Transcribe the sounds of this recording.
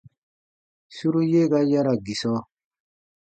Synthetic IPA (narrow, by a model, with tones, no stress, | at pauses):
su˦ɾu˦je˦ka˦ja˦ɾa˨ɡi˨sɔ˦